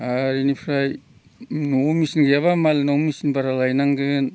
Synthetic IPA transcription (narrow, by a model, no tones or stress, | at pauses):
aɾinipʰɾaj | nomisinɡjaβamalnɔmisinbaɾalajnaŋɡɯn